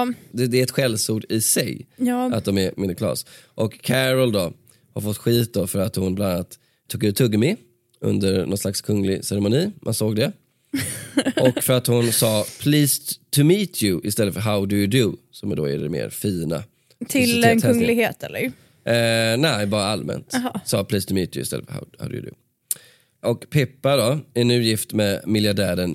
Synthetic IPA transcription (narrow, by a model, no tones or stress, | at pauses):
d̪ɛd̪ɛːɾɛt̪ɧɛlsuːɖɪsɛjjat̪d̪ɔmɛmɪnɪkʰlɑ̰ːsʔɔkʰːæɾəld̪ɔ | haɾfɔt̪ːɧiːt̪̚d̪ofœɾat̪hʊnblananat̪ʰː | uːɡʉːt̪ʰːɵɡːəmɪ | ʔɵ̰nd̪əɾnɔnslakskʰɵŋːlɪsɛɾɛmʊniːmʔa̰nsoːɡ̚d̪ɛ | ʔɔkːfœɾat̪hʊnsɑːpʰliːst̪ʰʊmiːt̪ʰjʉʔɪst̪ɛlːətfœɾɦaʊd̪ʊjʊd̪ʊsɔmɛd̪o̰ːɪ̰d̪ɛ̰mḛːɾfiːna̰ | t̪ʰɪlɛnk̪ʰɛŋlɪɡheːt̪ʰɛ̰lːə̰ɾ | nɛɪbɑːɾaalmɛ̰nt̪sɑːpʰliːst̪ʰɵmiːt̪ʰjʉɪst̪ɛ̰lːəfœ̰ha̰ʊha̰ʊd̪̰j̰d̪ʊ̰ | ʔɔkpʰɛpːad̪ɔɛnʉ̟ːjɪft̪mɛmɪljaɖæːɾən